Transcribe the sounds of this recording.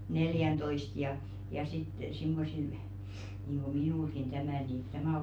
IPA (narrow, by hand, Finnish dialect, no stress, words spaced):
neljæntoist jɑ jɑ sit simːosil niˑŋɡ̊o minuˑlɡ̊in tæmæˑ niˑ tæmæˑ oːk